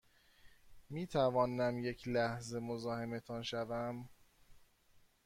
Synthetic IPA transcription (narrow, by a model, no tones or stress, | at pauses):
miːt̪ʰævɒːnæmje̞cʰlæhze̞mozɒːhe̞met̪ʰɒːnʃævæm